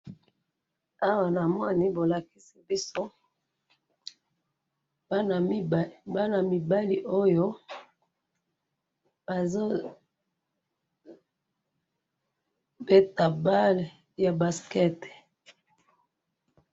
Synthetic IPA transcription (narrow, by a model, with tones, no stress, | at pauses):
a˦wa˨na˨mɔ˦ni˦bo˨la˨ki˦si˦bi˦so˦ | a˦n˨˦ba˦na˨mi˨ba˦li˨ʔo˦jo˦ | a˨zo˦ | be˦ta˨ba˦l | ja˨ba˨skɛ˦t